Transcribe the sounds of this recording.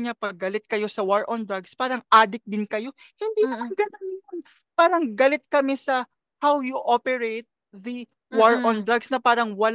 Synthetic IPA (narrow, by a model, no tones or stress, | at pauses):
ɲɐpɐɡːɐlɪt̪̚kɐjo̞sɐwaɹʔond̪ɾaɡspaːɾɐŋʔaːd̪ɪk̚d̪ɪnkɐjo̞ | hɪnd̪inɐmɐŋɡɐnonon | paːɾɐŋɡɐlɛt̪̚kɐmɛsɐ | hawjuʔopɛɹejt̪̚ | ðɐ | waɹʔond̪ɾaɡsnɐpaːɾɐŋwɐl